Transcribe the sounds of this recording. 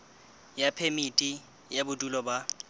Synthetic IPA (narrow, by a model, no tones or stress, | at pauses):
japʰemitʼi | jabʊdʼulɔba